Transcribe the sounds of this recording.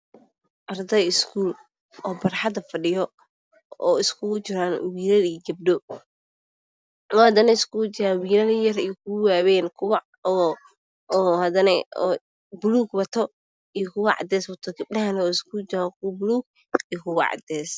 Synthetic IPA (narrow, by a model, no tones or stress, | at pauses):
ʔɐrd̪ɐɪskʰuːl | ɔːbɐrħɑd̪ɐfɐɖɪjɔ | ɔːɪskʰʊt͡ʃɪɾaːnwiːɾɐliːɡɐb̚ɖɔ | wɔhɐd̪ɐnɐɪskʰʊt͡ʃɪɾaːnwiːɾɐlijɐrɛjkʰʊwaːβɛːnkʰʊwɑ | ɔː | hɐd̪ɐnɛɔ | bʊluːɡwɐt̪ʰɔ | ijɔkʰʊwɑʕɑ̰d̪ɛːswɐt̪ʰɔɡɐb̚ɖɐɦɐnɔːɪskʊd͡ʒɪɾakʰʊwɐbʊluːɡ̚ | ijkʰʊwɑ̰ʕɑ̰d̪ɛːs